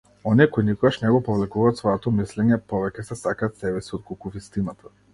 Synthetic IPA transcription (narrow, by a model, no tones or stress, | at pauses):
ɔniɛkojnikɔɡaʃnɛɡɔpɔvlɛkuvaːt̪svɔjɔt̪ɔmislɛɲɛpɔvɛcɛsɛsakaːt̪sɛbɛsiɔt̪̚kolˠkuvist̪inat̪ʰḁ